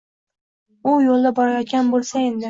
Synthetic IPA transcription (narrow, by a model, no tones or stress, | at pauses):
ʊjolˠd̪abɒɾajɒt̪̚kʲanbolˠsaend̪ɪ